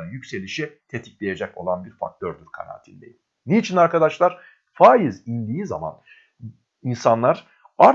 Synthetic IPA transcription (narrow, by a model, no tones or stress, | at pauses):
ɯnjycse̞lʲiʃit̪ʰe̞t̪ʰi̥clʲe̞je̞d͡ʒɛko̞̰lˠanbiɾfa̰k̚t̪ʰøɾd̪yɾkʰa̰na̰ːt̪ʰilʲd̪ʲḛji | nejit͡ʃʰinaɾkad̪aʃlˠaɾ̥ | faːjizind̪iːza̰ma̰n | insanlˠaɾ̥ | aɾ